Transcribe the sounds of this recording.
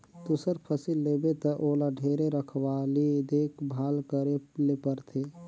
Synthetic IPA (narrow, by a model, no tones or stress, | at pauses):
d̪usəɾpʰəsilːebet̪əʔolaɖʱeɾeɾəkʰwalid̪ekʰbʱaːlkəɾelepəɾt̪ʰe